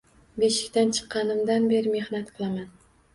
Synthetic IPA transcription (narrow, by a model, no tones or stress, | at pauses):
beʃɪ̥kʲt̪ant͡ʃʰɨ̥qːɑnɪmd̪anbe̞ɾɪme̞hnat̪qʰɨlˠaman